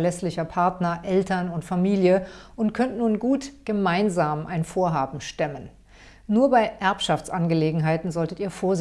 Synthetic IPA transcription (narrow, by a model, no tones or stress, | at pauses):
lɛslɪçɐpʰaɐtnɐʔɛltɐnʊntfamiːljəʔʊntkʰœntnuːnɡuːtɡ̥əmaɪnzaːmʔa̰ɪnfoːɐɦaːbm̩ʃtɛmənː | uːɐbaɪʔɛɐpʃaft͡sʔanɡəleːɡŋ̩ɦaɪtn̩zɔltətiːɐfoːɐz